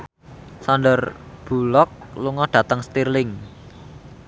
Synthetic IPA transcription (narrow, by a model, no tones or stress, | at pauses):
sanɖərb̥ṳlɔk̚luŋɔdɖ̥ä̤t̪əŋst̪irlɪŋ